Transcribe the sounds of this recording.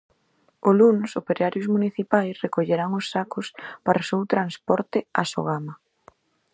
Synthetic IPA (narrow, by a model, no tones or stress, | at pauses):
olunsopeɾeaɾjʊzmuniθipajsrekoʎeɾaŋʊsːakʊspaɾaosewt̪ɾanspɔɾt̪ɪaso̰ɣamɐ